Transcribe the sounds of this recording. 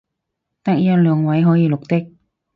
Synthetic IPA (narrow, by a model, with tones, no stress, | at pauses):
t̪ɐ˥k̚jɐ˥t̚lœː˨˧˥ŋwɐ˨˥jɦɔː˨˥jiː˨˧lʊ˨k̚t̪ɪ˥k̚